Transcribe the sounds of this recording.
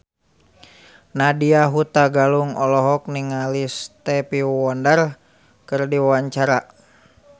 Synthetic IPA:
nadiaɦut̪aɡaluŋɔlɔɦɔk̚niŋalist̪ɛpiwɔndar | kɨrdiwawaɲt͡ʃaɾa

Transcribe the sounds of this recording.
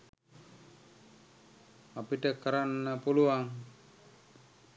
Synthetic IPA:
apiʈəkəɾanːəpuluaŋ

